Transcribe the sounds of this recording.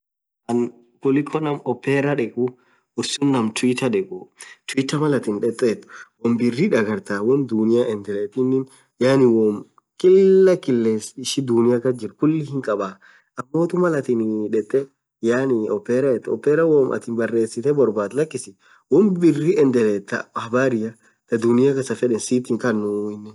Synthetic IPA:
ʔɐn | kʊlɪkʰːɔnɐmɔpːɛɾɐᶑɛkʼu | ʊsːʊnːɐmt̪ʊwit̪ɐᶑɛkʼut̪ʊwit̪ːɐmɐlɐt̪ɪnᶑɛt̪ʼːɛːt̪wɔmbɪrːiᶑɐɡɐɾt̪aːwɔnd̪ʊnɪjaʔɛnd̪ɛlɛːt̪ɪnːɪn | jaːnɪwɔm | kʼɪlːɐkɪlːeːsɪʃɪd̪ʊnɪjakɐd͡ʒɪɾkʊlːɪhɪŋkʼɐbaː | ʔɐmːoːt̪ʊmɐlɐt̪ɪnᶑɛt̪ʼːɛ | jaːnɪɔpːɛɾɐɛt̪ɔ̰pːɛɾɐwɔmʔɐ̰t̪ɪnbɐrːe̞ːsɪt̪ɛbɔɾbaːt̪lɐkːɪsɪ | wɔmbɪrːiɛnd̪ɛlet̪ːɐ̰hbaːɾɪjɐ | t̪ɐd̪ʊnɪjɐkɐsɐfɛᶑɛnsiːt̪ɪŋkɐnːʊɪnːɛ

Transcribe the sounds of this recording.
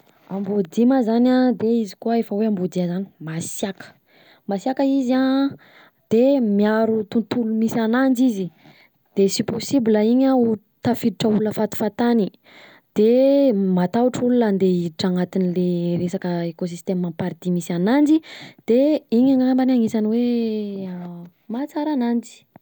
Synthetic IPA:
ambud̪imazanad̪eizi̥kuəefəweambud̪iəzani̥masjakə̥ | masjakəiza | d̪̥emiaɾut̪unt̪ulumisanand͡ʒizi | d̪̥esiposibiləiɲau | t̪afid̪iʈ͡ʂəuləfat̪u̥fat̪ani | d̪̥emat̪auʈ͡ʂulunand̪eiiʈ͡ʂaŋat̪inileɾesakəekos̬ist̪emapaɾid̪imisanand͡ʒid̪̥eiɲaŋambanaŋesaniwe | mat͡saɾanand͡ʒi̥

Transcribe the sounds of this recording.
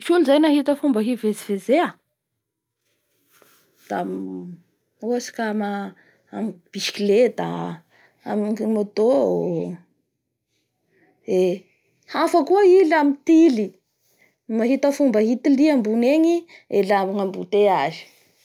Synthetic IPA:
funizajnaɦit̪əfumbəɦivezivezea | d̪̥am | oasi̥kama | amib̥iʃi̥kiled̪a̰ | ammad̪o | e | hafəkuailamit̪ili | maɦit̪əfumbəɦit̪iliambuneɲi | elamaŋambut̪eazi̥

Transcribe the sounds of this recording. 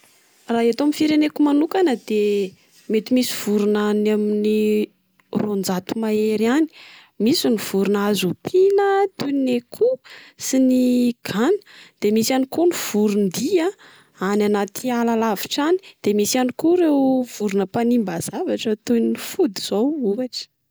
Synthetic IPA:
raɦiat̪oamifiɾenekumanukanəd̪̥e | met̪imisiv̥uɾunanamini | rond͡zat̪umaeɾiani̥ | misiniv̥uɾunazupʰilət̪unekʰusiniɡ̥anə̥d̪̥emisanikuniv̥uɾund̪ia | ananat̪ʰialalaviʈ͡ʂani̥d̪̥emisianikuɾewv̥uɾunəpanimbaz̥avaʈ͡ʂət̪ujnnifud̪iz̥owuaʈ͡ʂə̥

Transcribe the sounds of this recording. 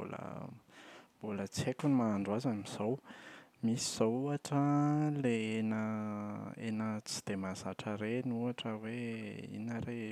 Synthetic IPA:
o̰l̰ | bolət͡sekunimaːɳɖ͡ʐazamiz̥awmisi̥z̥awuaʈ͡ʂəleenə | enət͡si̥d̪̥emazaʈ͡ʂəɾenuaʈ͡ʂəweḭnəɾe

